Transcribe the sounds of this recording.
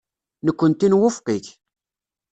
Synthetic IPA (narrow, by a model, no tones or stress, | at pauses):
nəkʷːənt̪inwʊfqiç